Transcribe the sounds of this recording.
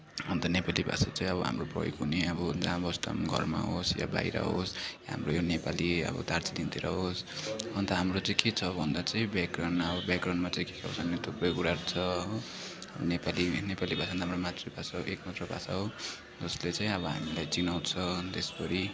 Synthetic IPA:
ʌnt̪ʌnepalibʱa̰sat͡sãĩʌbʌɦa̰mroprʌ̰jo̰kɦuneʌbʌd͡zambʌst̪ʌ̰mɡʱʌ̰rma̰ɦosja̰ba̰jɾa̰ɦosjaɦa̰mrojonepaliʌ̰bʌ̰d̪aɾt͡silint̪eɾʌ̰ɦosʌnt̪ʌɦamrot͡sãĩket͡sʰʌbʱʌnd̪at͡saĩbakranʌbʌbjakranmat͡saĩkekʰa̰wsanet̪ʰuprʌjkuɾaɾut͡sʰʌo | ʌbʌ̰nepalinepalibʱasand̪aɦamromat̪rʌbʱasaɦoʔekmat̪rʌbʱa̰saɦo | d͡zʌslet͡sãĩʌbʌɦa̰milajt͡sinaw̃t͡sʰʌt̪esbʌɾi

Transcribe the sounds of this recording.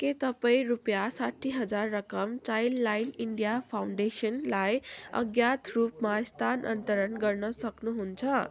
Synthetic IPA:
ket̪ʌpaĩrupjasaʈʰːiɦʌd͡zarːʌkʌmt͡sajlːajniɳɖijapʰawɳɖesʌnlajʌ̰ɡjat̪ʰrupmast̪ʰanʔʌ̰nt̪ʌɾʌnɡʌrnʌsʌknuɦunt͡sʰʌ

